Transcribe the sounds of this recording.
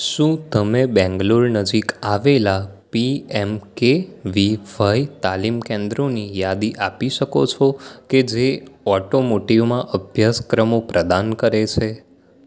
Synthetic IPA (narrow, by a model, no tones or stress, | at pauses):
ʃũt̪əmebɛ̃ŋɡloɭnəd͡ʒikaʋelapiɛmkeʋiʋajt̪alimkẽnd̪ɾonijad̪iʔapiʃəkot͡ʃʰoked͡ʒeɔʈomoʈiʋmãʔəbʱjaskɾəmopɾəd̪ankəɾet͡ʃʰe